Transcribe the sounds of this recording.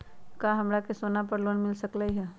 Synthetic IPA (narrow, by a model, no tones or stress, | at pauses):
kaɦɐmɾakesoːnap̬əɾloːnmɪlsəklaiɦɛ